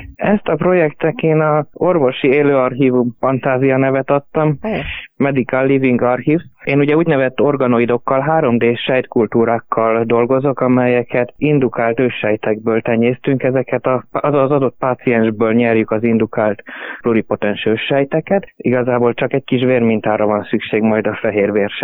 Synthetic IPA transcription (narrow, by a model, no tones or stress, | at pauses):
ɛst̪ɒpro̞jɛkt̪ɛkeːnɒo̞rvo̞ʃieːløːɒrɦiːvumfɒnt̪aːzijɒnɛvɛt̪ɒt̪ːɒmː | ɛd̪ikalːiviŋɡɒrhiːveːnuɟɛuːɟnɛvɛt̪ːo̞rɡɒno̞id̪o̞kːɒlɦaːɾo̞md̪eːʃɛjt̪kult̪uːɾaːkʰːɒld̪o̞lɡo̞zo̞kɒmɛjɛkɛt̪ind̪ukaːlt̪øːʃɛjt̪ɛɡ̚bøːlt̪ɛɲeːst̪yŋkɛzɛkɛt̪ɒzɒd̪o̞t̪̚paːt̪siɛnʒbøːlɲɛrjykɒzind̪ukaːlt̪pluɾipo̞t̪ɛnʃøːʃɛjt̪ɛkɛt̪iɡɒzaːbolt͡ʃɒkɛckiʃveːrmint̪aːrɾɒvɒnsykʃeːɡmɒjd̪ɒfɛɦeːrveːrʃɛ